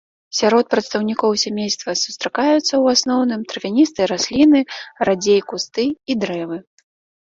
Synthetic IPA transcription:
sʲaɾɔt̪̚pɾɐt̪st̪ɐwnʲikɔwsʲamʲejst̪vɐsu̥st̪ɾakajut̪sːɐwasnɔwnɨmt̪ɾɨvʲanʲist̪ɨjɐɾasʲlʲinɨrad͡zʲejkust̪ɨid̪ɾɛvɨ

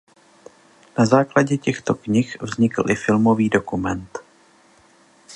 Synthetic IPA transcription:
nazaːklaɟɛcɛxt̪o̞kɲɪxvzɲɪkl̩ʔɪfɪlmo̞viːdo̞kumɛnt̪

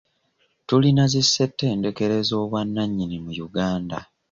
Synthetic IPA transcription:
tulinazisːe̞tːe̞ːnde̞ke̞ɾe̞zo̞ːβwanːaɲːinimujuɡaːnda̰

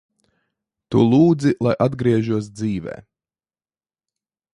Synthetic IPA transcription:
t̪ulˠuːd̪zilˠajʔad̪ɡɾiɛʒuɔs̬d̪ziːvɛ̰ː

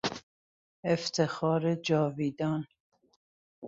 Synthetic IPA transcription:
eft̪ʰexɒːɾed͡ʒɒːviːd̪ɒːn

